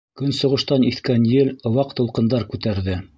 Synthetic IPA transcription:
kɵnsŏʁɤ̆ʃt̪ɑniθkænjɘlŏwɑqt̪ŏlˠqɤ̆nd̪ɑɾkʉt̪æɾðɘ

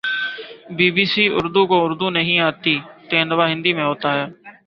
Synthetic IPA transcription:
biːbiːsiːʔʊ̰ɾd̪uːkõːʊɾd̪uːnəɦĩːaːt̪iːt̪ẽːnəʋaːɦɪ̃nd̪iːmẽːɦoːt̪aːɦɛː

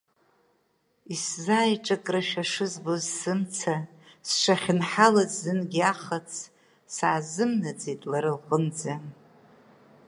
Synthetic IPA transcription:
iszaːjʈ͡ʂʼakʼraʃᶣaʂɨzbozsɨmt͡sʰasʂaχʲɪnħalazzɨnɡʲiaχat͡sʰ | saːzɨmnad͡zetʼlaɾɨlqʼənd͡za

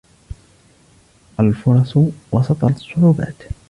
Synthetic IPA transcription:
ʔalfʊɾˤɑswɑsɑt̪ˤɑsˤːʊʕuːba̰ːt̪

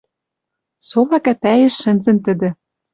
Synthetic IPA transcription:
solɑkæt̪æjĕʃːɘ̆nzɘ̆nt̪ɘ̆d̪ɘ̆

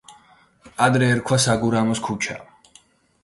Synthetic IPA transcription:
ad̪ɾɛːɾkʰwasaɡuɾamɔskʰut͡ʃʰa̰

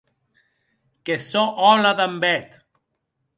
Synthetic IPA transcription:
kesɔʔɔlaðambɛt̪

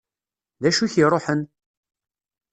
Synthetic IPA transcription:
ðæʃuçirˤoħən

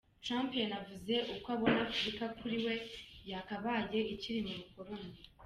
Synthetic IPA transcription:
tɾampjanavuze̞ʔukoaβo̞napuɾikakʰuɾiwe̞jakaβaːje̞iciɾimoβukoɾoni

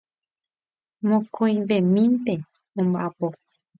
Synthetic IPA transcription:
mõkʰõj̃ʋemĩnt̪e | õmbaapo

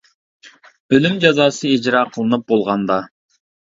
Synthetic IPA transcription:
ølymd͡ʒɑzɑːsɨid͡ʒɾɑːqʰəlˠɨnɨp̚bolˠʁɑnd̪ɑ

